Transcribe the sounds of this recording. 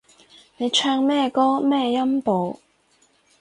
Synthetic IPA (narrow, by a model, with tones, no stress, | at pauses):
ne˨˧jt͡ʃʰœː˧ŋmɛː˥kɔː˥mɛː˥jɐ˥mpo˨˧w